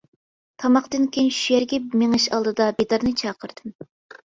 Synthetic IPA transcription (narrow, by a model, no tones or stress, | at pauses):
t̪ʰɑmɑqt̪ɨnkʲenʃyjɛɾɡʲɛmeŋɨʃɑlˠd̪ɨd̪ɑbed̪ɑɾnɨt͡ʃʰɑːqəɾd̪̥ɨm